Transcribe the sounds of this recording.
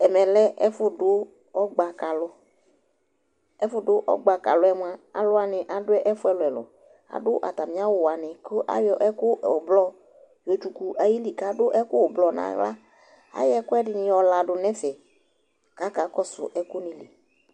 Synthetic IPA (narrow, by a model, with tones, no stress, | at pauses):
ɛ˨mɛ˨lɛ˦ɛ˦fʊ˦dʊ˦ | ɔ˦ɡ͡ba˨ka˨lʊ˦ | ɛ˦fʊ˦dʊ˦ʔɔ̰˦ɡ͡ba˨ka̰˨lʊ˦ɛ˦mʊ˦a˨a̰˨lʊ˦a˨nɪ˨ʔa˨dʊ˦ɛ˦ʔɛ˦fʊ˦ɛ˦lʊ˨ɛ˨lʊ̰˨ | a̰˨dʊ˦ʔa̰˨t̪a˨mĩ˨˦a˦wʊ˨wa˨nɪ̃˨kʊ˦ʔa̰˦jɔ˨ʔɛ˦kʊ˦˨ɔ˨blɔ˦ | jɔ˨t͡ʃu˨ku˨ʔa˨ji˦li˨ka˨˦dʊ˦ʔɛ˦kʊ˦wblɔ˨nã̰˨ɣla̰˦ | a̰˦jɛ˦kʊ˦ɛ˦dɪ˨nɪ̃˨ɔ˨la˨dʊ˨nɛ̃˦fɛ˨ | ka˨˦ka˨kɔ˦sʊ̰˨ʔɛ˦kʊ˦nɪ̃˨li˨